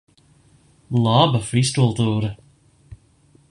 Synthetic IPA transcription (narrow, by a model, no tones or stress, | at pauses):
lɑːbəfɾistulˠt̪uːɾə